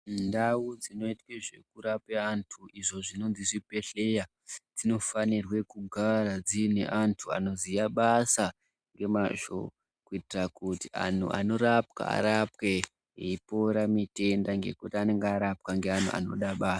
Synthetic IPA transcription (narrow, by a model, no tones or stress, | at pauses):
ndawud͡zino̞itkiʐe̞̰kuɾapeantʰuʔiʐo̞ʐino̞nziʐipe̞ɬe̞ja | d͡zino̞fanirwe̞kuɡʱarad͡zinḛʔantʰua̰no̞zijaɓasa | ŋɡe̞maʒo̰ | kuitirakutia̰n̤ṵa̰no̞ɾapka̰a̰ɾapkwe | eipo̞ɾamite̞ndaŋɡe̞̰kutiane̞ŋɡeaɾap̚kaŋɡean̤ṵʔa̰no̞̰ɗaɓaːsḁ